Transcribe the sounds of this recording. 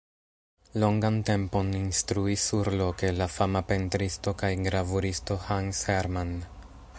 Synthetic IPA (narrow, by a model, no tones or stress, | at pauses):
lo̞ŋɡante̞mpo̞ninstɾuisːuɾlo̞ke̞lafamape̞ntɾisto̞kajɡɾavuɾisto̞hansheɾman